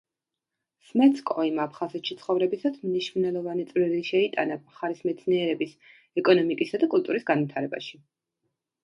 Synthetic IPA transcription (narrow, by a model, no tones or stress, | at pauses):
smɛt̪sʰkʼɔimapʰχazɛt̪ʃit̪sʰχɔvɾɛbisat̪ʰmniʃmnɛlˠɔvanit̪sʼvɾiliʃɛit̪ʼa̰naχaɾismɛt̪sʰniɛɾɛbis | ɛkʼɔnɔmikʼisad̪akʼulˠt̪ʼuɾisɡanvit̪ʰaɾɛba̰ʃi